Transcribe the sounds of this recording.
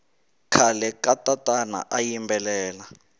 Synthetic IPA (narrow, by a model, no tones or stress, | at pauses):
kʰalɛkatʼatʼana̰ʔajimbɛlɛːla